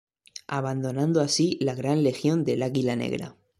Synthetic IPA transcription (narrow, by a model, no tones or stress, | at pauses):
aβand̪o̞nãnd̪oasilaɣɾanle̞xjo̞nd̪e̞laɣilanḛɣɾa̰